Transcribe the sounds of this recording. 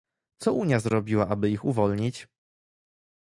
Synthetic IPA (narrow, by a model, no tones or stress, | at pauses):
t̪sɔuɲjazɾɔbʲiwaʔabɘixuvɔlɲit͡ɕ